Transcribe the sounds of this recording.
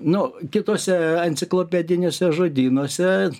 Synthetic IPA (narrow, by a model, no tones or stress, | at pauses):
nʊkʲɪt̪oːsʲɛɐnʲtsʲɪklˠoːpʲɛd̪ʲɪnʲoːsʲɛʒoːd̪ʲiːnoːsʲɛ